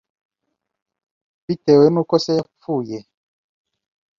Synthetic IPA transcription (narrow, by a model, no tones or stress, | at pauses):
bitɛwemukɔsɛap͡fujɛ